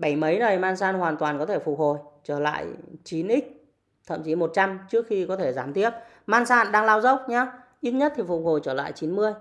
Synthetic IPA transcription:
ɓə˧˩jmə˨˦jnə˨˩jmaː˧nsaː˧nhwaː˨˩nt̪waː˨˩nkɔ˨˦t̪ʰe˧˩fʊ˨˩k͡p̚ho˨˩jt͡ɕəː˧˩la̰ː˧˨jt͡ɕi˨˦nʔi˦˥k̟̚ | t̪ʰə̰˧˨mt͡ɕi˨˦mo˨˩t̚t͡ɕa˧mt͡ɕɨ˦˥ək̚xi˧kɔ˨˦t̪ʰe˧˩zaː˨˦mt̪i˦˥əp̚ | maː˧nsa̰ː˧˨nɗaː˧ŋlaː˧wzə˦˥w̚ɲaː˧ | ʔi˦˥t̚ɲə˦˥t̚t̪ʰi˨˩fʊ˨˩k͡p̚ho˨˩jt͡ɕəː˧˩la̰ː˧˨jt͡ɕi˨˦nmɨ˧əj

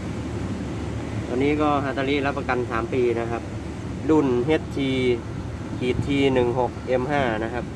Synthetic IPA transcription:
t̪ɔː˧nːiː˦˥kɔː˥˩ɦaː˧˥t̪aː˧liː˦˥la˦˥pːa˧ka˧nsaː˩˦mpiː˧na˦˥kʰa˦˥p̚ | lu˥˩nɦe˦˥t̪̚ʰːiː˧ | kʰiː˨˩t̪ʰːiː˧nɯ˨˩ŋɦo˨˩k̚ʔe˧mɦaː˥˩na˦˥kʰa˦˥p̚

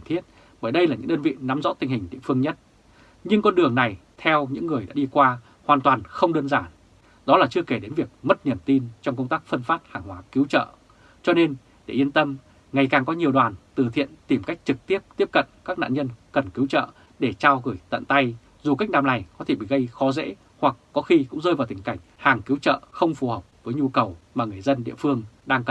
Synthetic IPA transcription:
a˨˩ŋt̪ʰi˦˥ət̚ | ɓəː˧˩jɗə˧jlaː˨˩ɲɨ̰˧˥ŋɗəː˧nvḭ˧˨na˨˦mzɔ̰˧˥t̪ï˧ŋ̟hï˨˩ŋ̟ɗḭ˧˨əfɨ˧əŋɲə˦˥t̚ | ɲɨ˧ŋkɔ˧nɗɨ˨˩əŋna˨˩jt̪ʰɛ˧wɲɨ̰˧˥ŋːɨ˨˩əjɗa̰ː˧˥ɗi˧kwaː˧ | hwaː˨˩nt̪waː˨˩nxə˧wŋ͡mɗəː˧nzaː˧˩n | ɗɔ˨˦laː˨˩t͡ɕɨ˧əke˧˩ɗe˨˦nvi˨˩ək̚mə˦˥t̚ni˨˩əmt̪i˧nt͡ɕɔ˧wŋ͡mkə˧wŋ͡mt̪aː˦˥k̚fə˧nfaː˦˥t̚haː˨˩ŋɦwaː˨˦ki˨˦wt͡ɕə̰ː˧˨ | t͡ɕɔ˧ne˧n | ɗe˧˩ʔi˧ənt̪ə˧m | ŋa˨˩jkaː˨˩ŋkɔ˨˦ɲi˨˩əwɗwaː˨˩nt̪ɨ˨˩t̪ʰḭ˧˨ənt̪i˨˩mka˦˥jk̟̚t͡ɕɨ˨˩k̚t̪i˦˥əp̚t̪i˦˥əp̚kə̰˧˨nkaː˦˥k̚na̰ː˧˨ɲə˧nkə˨˩nki˨˦wt͡ɕə̰ː˧˨ | ɗe˧˩t͡ɕaː˧wɣɨ˧˩jt̪ə̰˧˨nt̪a˧j | zu˨˩ka˦˥k̟̚ɗaː˧˩mla˨˩jkɔ˨˦t̪ʰe˧˩ɓḭ˧˨ɣə˧jxɔ˨˦zḛ˧˥ | hwa˨˩kːɔ˨˦xi˧kʊ̰˧˥ŋ͡mzəː˧jvaː˨˩wt̪ï˧˩ŋ̟ka˧˩jŋ̟haː˨˩ŋki˨˦wt͡ɕə̰ː˧˨xə˧wŋ͡mfu˨˦həː˨˩k͡p̚vəː˨˦jɲu˧kə˨˩wmaː˨˩ŋɨ˨˩əjzə˧nɗḭ˧˨əfɨ˧əŋɗaː˧ŋkə˨˩

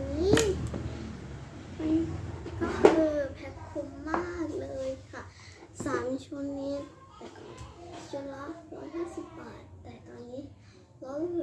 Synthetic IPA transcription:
nnːiː˦˥ | ka˧nkɔ˥˩ʔɤː˧pʰɛ˦˥t̪̚kʰu˧mːaː˥˩k̚lɤː˧jkʰa˥˩ | saː˩˦mt͡ɕʰu˧ənːiː˦˥ | t̪ɛː˨˩kːt͡ɕu˧ənla˦˥hjɦaː˥˩si˨˩pːɛː˨˩t̪ːɛː˨˩t̪ɔː˧nːiː˦˥ | lɔ˦˥˩w

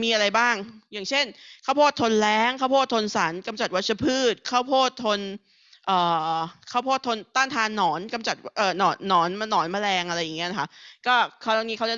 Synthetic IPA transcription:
miː˧ʔa˧ɾa˧jbaː˥˩ŋjaː˨˩ŋt͡ɕʰe˥˩nkʰaː˥˩wpʰoː˥˩t̪ʰːo˧nlɛː˦˥ŋkʰaː˥˩wpʰoː˥˩t̪ʰːo˧nsa˩˦nka˧mt͡ɕa˨˩t̪̚wa˦˥t̪̚sʰa˧pʰɯː˥˩t̪̚kʰaː˥˩wpʰoː˥˩t̪ʰːo˧n | ʔɤː˨˩kʰaː˦˥˩wpʰoː˥˩t̪ʰːo˧nt̪aː˥˩nt̪ʰaː˧nːɔː˩˦nka˧mt͡ɕa˨˩t̪̚ʔɤː˨˩nɔː˩˦ɔː˩˦nma˧nɔː˩˦nma˧ɾɛː˧ŋʔa˧ɾa˧jːa˨˩ŋːi˦˥˧na˦˥kʰa˦˥kɔː˥˩kʰa˦˥˩ŋniː˦˥ka˦˥wt͡ɕa˥˩

